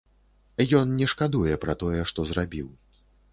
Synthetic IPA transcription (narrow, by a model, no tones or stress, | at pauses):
jɔnnʲɛʂkad̪ujɛpɾɐt̪ɔjɛʂt̪ɔzɾabʲiw